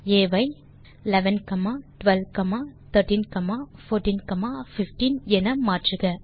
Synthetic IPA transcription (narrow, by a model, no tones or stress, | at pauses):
eːʋɐɪ | lɛʋɐnkɐmaːʈʋɛlʋkɐmaːt̪ʰɐɾʈiːnkɐmaːfoːɾʈiːnkɐmaːfɪfʈinɛnɐmaːʈrɯɣɐ